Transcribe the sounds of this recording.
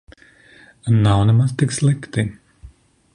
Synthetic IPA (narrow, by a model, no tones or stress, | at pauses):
nawnɛmazt̪ikslˠikt̪i